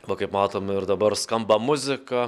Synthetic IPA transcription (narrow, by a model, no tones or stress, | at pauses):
ʋɐkɐɪpmɑːt̪oːmɪɾd̪ɐbɐɾskɐmbɐmʊzʲɪkɐ